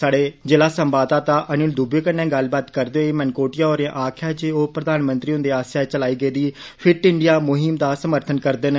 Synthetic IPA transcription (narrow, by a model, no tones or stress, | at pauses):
saːɽeːd͡ʒelaːsəmbaːt̪ãːt̪aːʔənʊld̪uːbeːkənːɛ̃ːɡəlbaːt̪kəɾd̪eoːeːmɛnkoːʈɪjaːoːɾãʔaːkʰjaːd͡ʒeːoːpɾəd̪aːnmənt̪ɾiːɦʊ̃nd̪eːaːsaːt͡ʃəlaːiːɡəeːd̪iː | pʰɪɾʈɪɳɖɪjaːmʊɦɪmd̪aːsəməɾt̪ʰənkəɾd̪ən